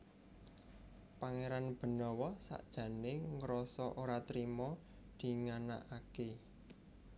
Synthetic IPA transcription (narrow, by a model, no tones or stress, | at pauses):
paŋeɾanb̥ə̤nɔwɔsa̰ʔd̥ʒ̥ä̤neŋəɾɔsɔʔoɾat̪ɾimɔ | d̪̥i̤ŋana̰ʔake